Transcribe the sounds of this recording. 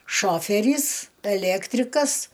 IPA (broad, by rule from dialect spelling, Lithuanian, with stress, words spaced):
ˈʃoːfʲɛrʲiːs ɛˈlʲæːktʲrʲɪkɐs